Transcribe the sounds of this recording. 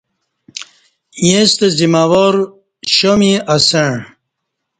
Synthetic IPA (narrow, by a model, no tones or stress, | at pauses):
jẽst̪ezimawoɾ | ɕomiɐseɳ